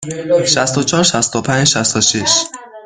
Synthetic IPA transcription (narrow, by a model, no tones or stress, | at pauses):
ʃæst̪ot͡ʃʰɒːɾʃæst̪opʰæɲʃæst̪oʃiʃ